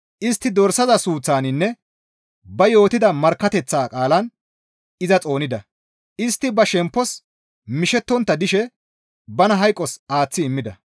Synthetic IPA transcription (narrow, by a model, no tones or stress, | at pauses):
ʔɪst̪ːɪd̪ɔɾsɐzɐsuːt͡sːaːnɪnːɛ | bɐjo̞ːt̪ɪd̪ɐmɐɾkːɐt̪ɛt͡sːaːkʼaːlɐn | ɪzɐt͡sʼo̞ːnɪd̪ɐ | ʔɪst̪ːɪbɐʃɛmpːɔs | mɪʃɛt̪ːɔnt̪ːɐd̪ɪʃɛ | bɐnɐɦɐjkʼːɔsaːt͡sːɪɪmːɪd̪ɐ